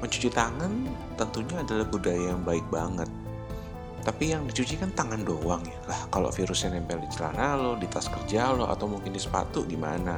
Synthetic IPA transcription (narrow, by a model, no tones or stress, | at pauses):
məɲt͡ʃu̥t͡ʃit̪aŋan | t̪ənt̪uɲaːdalahbudajajaŋbaɪk̚baŋət̪̚ː | apijaŋdit͡ʃut͡ʃikant̪aŋandowaŋjalahkalo̰fiɾʊsɲanɛmpɛlit͡ʃəla̰nalodit̪askərd͡ʒaloa̰t̪awmuŋkɪndisə̥pa̰t̪ʊʔɡima̰na